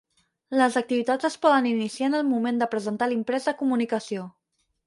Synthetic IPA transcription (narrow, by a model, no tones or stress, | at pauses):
ləzək̚t̪iβit̪ad͡zəspɔðəninisianəlˠmumend̪əpɾəzənt̪alimpɾɛzðəkumunikəsio